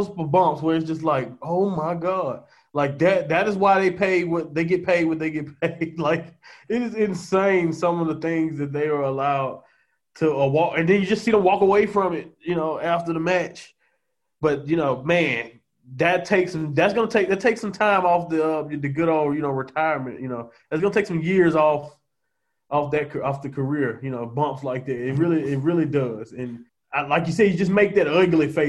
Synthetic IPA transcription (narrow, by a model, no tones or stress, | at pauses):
spbʌ̃mpswə˞ɨtsd̥ʒ̥ʌstˡlaɪk̚oʊmaɪɡɑd̥̚ | laɪk̚ðɨt̪̚ðɨɾɨzwaɪðeɪpʰeɪd̚wɪðeɪɡɛt̚pʰeɪd̚wɨ̃nðeɪɡɛt̚pʰeɪd̥laɪkɪɾɨzɨ̃nsẽɪ̃nsʌ̃mʌvðəθɪ̃ŋzðɨt̪̚ðeɪə˞əlaʊd̚ | tʰəəwɔkɨ̃nðɨ̃njɨd͡ʒʌstsiɾə̃mwɔkəweɪfɹʌ̃mɪt̚jɨnoʊæftə˞ðəmæt͡ʃ | b̥ʌt̚jɨnoʊmæ̃n | ðɨtʰeɪksʌ̃mðɨtsɡ̥ʌnətʰeɪk̚ðɨtʰeɪksʌ̃mtʰãɪ̃mɔfðɨʌmɨðɨɡʊɾoʊjɨnoʊɹɨtʰaɪə˞mɨ̰̃nʔjɨnoʊ | ðɨtsɡʌnətʰeɪksʌ̃mjɪɹzɔf | ʔɔfðɨt̚kʰəɔfðɨkʰə˞ɪɹjɨnoʊbʌ̃mpslaɪk̚ðɨtɪt̚ɹɪlˠiɪt̬̚ɹɪlˠidʌz̥ɨ̃n | alaɪk̬jɨsɛdjɨd͡ʒʌs̬meɪk̚ðɨɾʌɡl̩ˠifeɪ